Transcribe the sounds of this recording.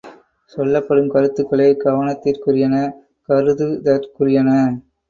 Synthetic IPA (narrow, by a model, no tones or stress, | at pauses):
sɔlːɐpːɐɽɯmkɐɾɯt̪ːɯkːɐɭeːɡɐʋɐnɐt̪ːɪrkʊrɪjɐnɐ | kɐɾɯðɯd̪ɐɾkʊrɪjɐnɐ